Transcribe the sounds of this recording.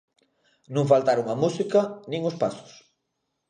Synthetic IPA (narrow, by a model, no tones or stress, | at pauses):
nũŋfalt̪aɾuŋamusikɐnĩŋʊspasʊ̥s